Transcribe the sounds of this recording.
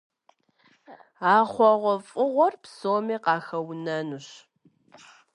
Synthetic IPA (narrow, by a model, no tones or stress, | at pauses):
aːχʷɔʁʷɔfʼʊʁʷɔrpsoːmiːqɑːxɐwnɐnuɕ